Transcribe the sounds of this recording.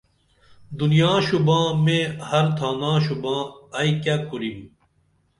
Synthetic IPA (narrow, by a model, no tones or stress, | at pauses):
d̪unjãːɕubãːmẽːhɐɾt̪ʰaːnãːɕubãːɐikakuɾim